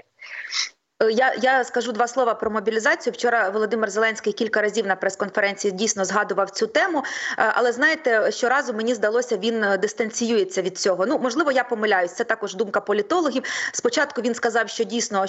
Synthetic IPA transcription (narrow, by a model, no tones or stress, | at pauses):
jajaskɐʒud̪ʋɑslˠɔʋɐpɾɔmɔbʲilʲizɑt͡sʲijʊwt͡ʃɔɾɐʋɔlˠɔd̪ɪmɪrzelˠɛnʲsʲkɪjkʲilʲkɐɾɐzʲiwnɐpɾɛskɔnfeɾɛnʲt͡sʲijidʲijsʲnɔzɦɑd̪ʊʋɐwt͡sʲut̪ɛmʊʔɐ̰lˠɛznɑjet̪ɛʃt͡ʃɔɾɑzʊmenʲizd̪ɐlˠɔsʲɐʋʲind̪ɪst̪ɐnʲt͡sʲijujet͡sʲːɐʋʲid̪̥̚t͡sʲɔɦɔnumɔʒlˠɪʋɔjapɔmɪlʲajʊsʲt̪sɛt̪ɑkɔʒd̪umkɐpɔlʲit̪ɔlˠɔɦʲiwspɔt͡ʃɑt̪kʊʋʲinskɐzɑwʃt͡ʃɔdʲijsʲnɔ